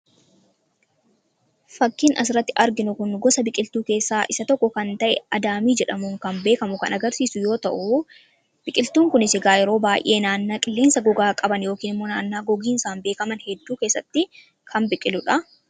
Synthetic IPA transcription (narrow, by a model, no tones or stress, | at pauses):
fɐkːiːnɐs̬ɪɾɐt̪ːɪʔɐɾɡɪnʊkʊnɡɔsɐbɪkʼɪlt̪uːke̞ːsːaːʔɪsɐt̪ɔkːɔkɐnt̪ɐʔɛɐd̪aːmiːd͡ʒɛᶑɐmuːŋkɐmbe̞ːkɐmʊkɐ̰nɐɡɐɾsiːsʊjo̞ːt̪ɐʔʊ | b̥ɪkʼɪlt̪uːŋkʊnɪsɪɡaːjɛɾo̞ːbaːjʔe̞ːnaːnːaːkʼɪlːeːnsɐɡɔɡaːkʼɐbɐnjo̞ːkiːnɪmːo̞ːnaːnːaːɡɔɡiːnɪsaːnbe̞ːkɐmɐnhɛd̪ːuːke̞ːsːɐt̪ːɪ | kʰɐnbɪkʼɪlʊᶑɐ